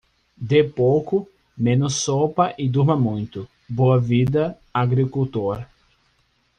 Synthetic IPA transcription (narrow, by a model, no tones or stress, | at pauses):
d̪epowkʊ | mẽnʊsːopɐʔɪd̪uɾmɐmũj̃t̪ʊ | boɐvid̪ɐ | aɡɾikuwt̪oɾ